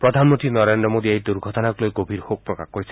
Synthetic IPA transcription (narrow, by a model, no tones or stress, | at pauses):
pɾɔd̪ʱanmɔ̃nt̪inɔɾend̪ɾɔmod̪iajd̪uɾɡʱɔt̪ɔnaklojɡobʱiɾhok̚pɾɔkakɔɾisʰi̥